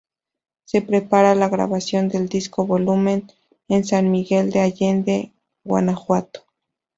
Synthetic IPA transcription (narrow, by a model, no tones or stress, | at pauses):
se̞pɾe̞paɾalaɣɾa̰βasjo̞nd̪e̞ld̪isko̞βo̞lumẽ̞n | ensanmiɣe̞ld̪eaʝend̪e | ɣwa̰naxwat̪o̥